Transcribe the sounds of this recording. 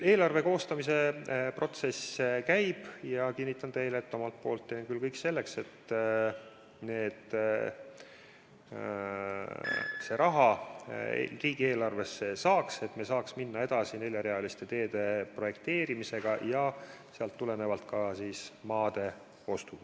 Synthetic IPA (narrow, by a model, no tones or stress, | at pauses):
e̞ːlɑrve̞ko̞ːst̪ɑmise̞pro̞t̪se̞sekæjb̥jɑkinʲːit̪ːˑɑnt̪e̞jleːt̪ːo̞mɑlt̪̚po̞ːlt̪ːeːnkylkɤjkse̞lːe̞kse̞t̪ː | ne̞ːd̪̥ | se̞ɾʔɑɦɑ̰ | riːɡ̥ie̞ːlɑrve̞sːe̞sɑːkse̞t̪mesɑːksminːɑe̞d̪̥ɑsine̞lʲjɑɾeɑlist̪e̞t̪e̞ːd̪̥e̞pro̞je̞kt̪e̞ːɾimise̞ɡ̥ɑjɑseɑlt̪ːule̞ne̞vɑlt̪kɑsiːsmɑːd̪̥e̞ | o̞st̪u̥